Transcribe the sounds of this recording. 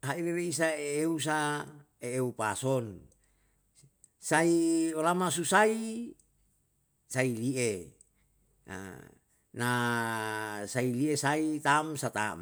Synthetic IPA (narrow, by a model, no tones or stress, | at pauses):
ɦaileɾeisaeeus̬a | eeupasɔn | saiolamasusai | sailie | a̰ | na | sailiesait̪amsat̪a̰m